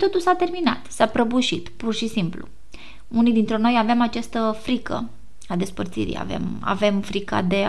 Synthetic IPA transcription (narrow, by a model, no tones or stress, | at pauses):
t̪o̞t̪ulsat̪e̞rmina̰t̪sapɾəbuʃit̪purʃisimplṵ | unid̪int̪ɾeno̞javemat͡ʃast̪əfɾikə̰ | ad̪e̞spərt̪sḭɾḭja̰vḛma̰ve̞mfɾika̰d̪e